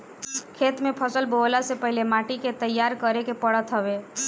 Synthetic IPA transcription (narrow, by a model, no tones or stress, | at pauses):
kʰet̪mepʰəsəlbolasepəɦilemaʈiket̪əjːaɾkəɾekepəɽət̪ɦəbe